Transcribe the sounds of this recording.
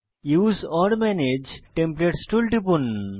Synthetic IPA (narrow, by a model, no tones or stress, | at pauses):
juzɔɾmɛned͡ʒʈẽmpleʈsʈulʈipun